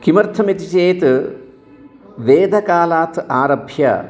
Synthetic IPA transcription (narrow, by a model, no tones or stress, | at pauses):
kimɐɾt̪ʰɐmit̪it͡ʃeːt̪ | ʋeːd̪ʱɐkaːlaːt̪aːɾɐbʱjɐ̰